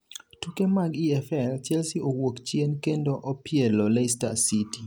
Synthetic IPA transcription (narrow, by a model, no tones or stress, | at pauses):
tukemaɡiɛfɛlt͡ʃjɛlsiʔowokt͡ʃjenkendoʔopjɛlɔlestasiti